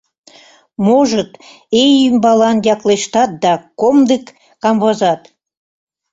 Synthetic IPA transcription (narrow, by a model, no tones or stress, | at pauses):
moʒət̪ | ejimbɑlɑnjɑkleʃt̪ɑt̪̚d̪ɑkomd̪ekː | ɑmbɑzɑt̪